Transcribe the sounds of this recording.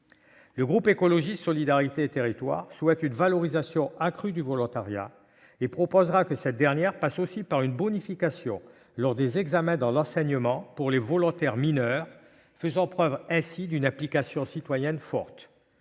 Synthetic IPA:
ləɡʁupekɔlɔʒisɔlid̪aʁit̪eːt̪eʁit̪wa̰ʁswɛt̪ynvalɔʁizasjɔ̃akχyd̪yvɔlɔ̃t̪aʁja̰ | epχɔpozʁakəsɛt̪̚d̪ɛʁnjɛʁpasosipaʁynbɔnifikasjɔ̰̃ | lɔʁd̪ezɛɡzamɛ̃d̪ɑ̃lɑ̃sɛɲəmɑ̃puʁlevɔlɔ̃t̪ɛʁminœʁ | fəzɑ̃pχœvʁɛ̃sid̪ynɛ̃plikasjɔ̃sit̪wajɛnfɔ̰ʁt̪

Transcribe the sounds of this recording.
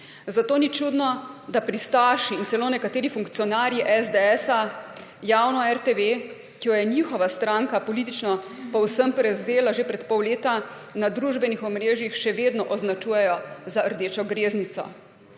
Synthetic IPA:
zat̪oːnit͡ʃud̪nɔd̪apɾist̪aːʃiːnsɛloːnɛkat̪eːɾifuŋkt̪sijɔnaːɾjiʔɛzd̪eɛsa | jaːwnɔɛɾt̪eʋe | kijɔjɛniːxɔʋast̪ɾaŋkapɔlit̪̬it͡ʃnɔ | pɔwsəmpɾɛzeːlaʒepɾɛt̪pɔwleːt̪a | nad̪ɾuʒbɛnixɔmɾeːʒjixʃɛʋeːd̪nɔʔɔznat͡ʃuːjɛjɔzaəɾd̪eːt͡ʃɔɡɾeːznit̪sɔ̰

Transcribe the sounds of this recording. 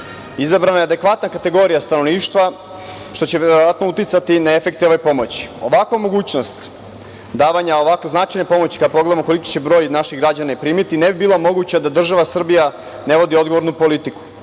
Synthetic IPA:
izabɾanajead̪ekʋat̪nakat̪e̞ɡo̞ɾijast̪anoʋniːʃt̪ʋa | ʃt̪o̞t͡ɕeʋeɾooʋat̪no̞ut̪it̪sat̪inaefe̞kt̪eoʋojpo̞mot͡ɕi̥o̞̰ʋakomo̞ɡuːt͡ɕno̞st̪ | d̪aːʋaɲao̞ʋakoznaːt͡ʃajnepo̞mo̞t͡ɕi̥kad̪apoɡled̪amoko̞liki̥t͡ɕe̞bɾo̞ːjnaʃiɡɾad͡ʑanapɾiːmit̪inebibiːlˠamo̞ɡut͡ɕad̪ad̪r̩ʒaʋasr̩bija | ne̞ʋo̞d̪io̞d̪ɡo̞ʋo̞ɾnupo̞lit̪iku̥

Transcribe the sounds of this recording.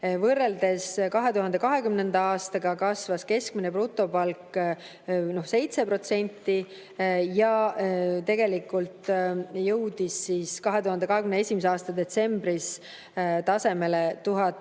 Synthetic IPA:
vɤrːe̞ld̪̥e̞skɑɦe̞t̪uɦɑnd̪e̞kɑɦe̞kymnend̪ɑɑːst̪ɑɡɑkɑsvɑske̞sk̚mineprut̪ːˑo̞pɑlkˑ | no̞hse̞jt̪sepro̞t̪se̞nʲt̪ˑːi | jɑ | t̪e̞ɡe̞likːˑult̪jɤwd̪̥isːiːskɑɦe̞t̪uhɑnd̪eɑɦe̞kymneesʲimeseɑːst̪ɑd̪e̞t̪se̞mbɾis | t̪ɑse̞me̞let̪uɦɑt̪ː

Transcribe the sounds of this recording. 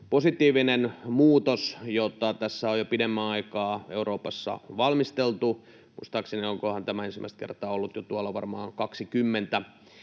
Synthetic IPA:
posit̪iːʋinenmuːt̪osjot̪ɑt̪æsːæojopidemːæɑikɑːeuɾoːpɑsːɑ̰ʋɑlmist̪elt̪u | mṵst̪ɑksenioŋkohɑnt̪æmæensimæ̰st̪̚kḛrt̪ɑːolːut̪jot̪uɑlːɑʋɑ̰rmɑ̰ːŋkɑksikymːent̪æ

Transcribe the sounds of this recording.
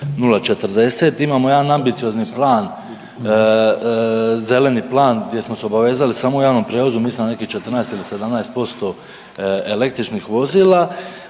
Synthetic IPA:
nulat͡ʃe̞t̪r̩d̪e̞set̪imaːmoe̞d̪anambit̪io̞zniplˠaːn | ze̞le̞niplˠaːnɡd̪je̞smoseo̞baʋe̞ːzalisaːmoujaːʋno̞mpɾjeʋozumiːsmone̞kiht͡ʃe̞t̪r̩naest̪ilise̞d̪amnajst̪̚po̞st̪o̞ | ele̞k̚t̪ɾit͡ʃnixʋo̞ziːlˠa

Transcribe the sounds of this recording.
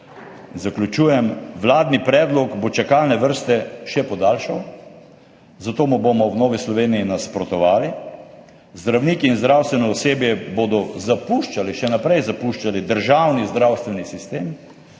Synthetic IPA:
zaklʲut͡ʃuːjɛmʋlaːd̪nipɾɛːd̪lɔɡbot͡ʃakalnɛʋəɾst̪ɛʃɛpɔd̪aːlʃaw | zat̪oːmubomɔwnoːʋislɔʋeːniinaspɾɔt̪ɔʋaːli | zd̪ɾawniːkiːnzd̪ɾawst̪ʋɛnɔɔseːbjɛbod̪ɔzapuʃt͡ʃaliʃɛnapɾɛjzapuʃt͡ʃalid̪əɾʒawnizd̪ɾawst̪ʋɛnisist̪eːm

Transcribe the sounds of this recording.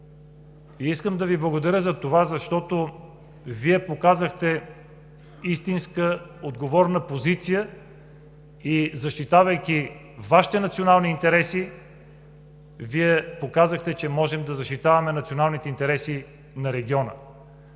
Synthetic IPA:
iiskəmd̪ɐviblˠəɡod̪ɐɾʲjəzɐt̪ovazɐʃt̪ɔt̪o | viɛpokazəxt̪ɛ | ist̪inskəod̪ɡovɔɾnəpozit̪sijə | izɐʃt̪it̪avɐjkʲi | vaʃi̥t̪ɛnɐt̪sionalˠniːnt̪ɛɾɛsi | viɛpokazəxt̪ɛt͡ʃɛmɔʒɛmd̪ɐzɐʃt̪it̪avɐmɛnɐt̪sionalˠnit̪ɛint̪ɛɾɛsi | nɐɾɛɡʲiɔnə̰

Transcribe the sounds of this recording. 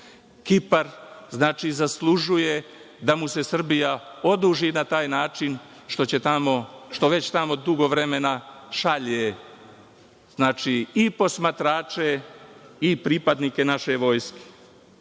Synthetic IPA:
kipaɾznaːt͡ʃizaslˠuʒuje̞ | d̪amuse̞sr̩bijao̞d̪uːʒinat̪aːjnaːt͡ʃin | ʃt̪ot͡ɕe̞t̪amo̞ʃt̪o̞ʋe̞t͡ɕt̪amo̞d̪uɡo̞ʋɾe̞me̞naʃaʎe | znaːt͡ʃiipo̞smat̪ɾaːt͡ʃe̞ | ipɾipad̪nike̞naʃe̞ʋo̞ːjske̥

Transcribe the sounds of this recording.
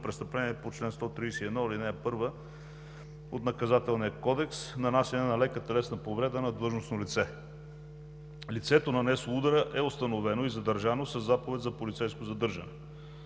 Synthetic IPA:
pɾɛst̪əplɛniɛpot͡ʃlɛnst̪ɔt̪ɾiːsɛiɛd̪nɔilinɛɛpɤɾvə | ot̪nɐkɐzat̪ɛlˠnijəkɔd̪ɛksnɐnasɛnɛnɐlɛkət̪ɐlɛsnɐpovɾɛd̪ənɐd̪lɤʒnosnolit̪sɛ | lit̪sɛt̪onɐnɛsoud̪əɾəʔɛost̪ɐnovɛnoizɐd̪əɾʒanosɐzːapovɛt̪zɐpolit̪sɛjskozɐd̪ɤɾʒə̰nɛ

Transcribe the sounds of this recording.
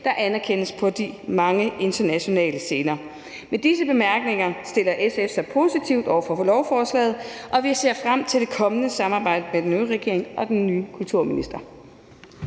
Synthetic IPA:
d̥ɑ̈ʔænɐkʰenəspʰɒ̽d̥imɑ̈ŋəʔe̝nd̥ɐnæɕo̝nɛ̰ːləse̝ːnɐː | med̥isəb̥e̝mæɐɡ̥ne̝ŋɐsd̥e̝l̰ɐʔesefsɑ̈ɪpʰo̝ːsit͡sʰiʊ̰d̥ɒʊ̰ɐfɒ̽flɒʊfɒːslɛ̰ːð̞̩ˠʔɒ̽ʋise̝ɐ̰fʁam̰t͡sʰe̝ld̥e̝kʰɒ̽mənəsɑ̈mɑ̈ːb̥ɑ̈ɪ̰d̥əmed̥enøːʁɛɡ̥e̝ɐ̰e̝ŋʔɒ̽d̥enːyːkʰult͡sʰuɐ̰minisd̥ɐ

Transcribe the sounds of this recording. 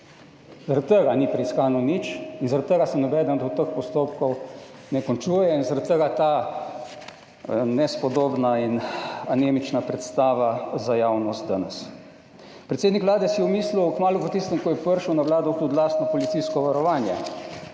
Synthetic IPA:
zaɾat̪̚t̪əɡanipɾɛiskaːnɔnit͡ʃinzaɾat̪t̪ːəɡasɛmnɛbɛːd̪ənd̪ɔt̪əxpɔst̪oːpkɔw | nɛkoɔnt͡ʃuːjɛinzaɾat̪̚t̪əɡat̪aː | nɛspɔd̪oːbnainaneːmit͡ʃnapɾɛt̪st̪aːʋazajawnɔst̪̚d̪anəs | pɾɛt̪seːd̪nikʋlaːd̪ɛsjɛmiːsluwkmaːluvət̪ist̪əmkɔjɛpəɾʃuwnaʋlaːd̪ɔt̪ud̪laːst̪nɔpɔlit̪siskɔʋaɾɔʋaːnjɛ̰

